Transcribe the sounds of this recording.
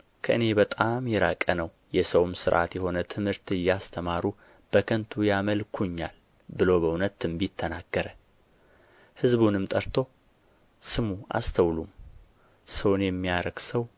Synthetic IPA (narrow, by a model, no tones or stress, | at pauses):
kʰəʔɨne̞bət̪ʼamjɛɾakʼənəw | jɛsəwmsɨɾʔa̰t̪jɛho̞nət̪ʰɨmhɨɾt̪ɨjːast̪ʰəmaɾu | b̥əkʰənt̪ʰujaməlkʰuɲːa̰l | bɨlo̞bəunət̪ʰɨmbjɪt̪ʰːənaɡ̥ːəɾə | hɨzβunɨmt̪ʼəɾt̪ʰo̞ | sɨmua̰st̪ʰəwlum | səwnjɛmːijaɾəɡ̥səw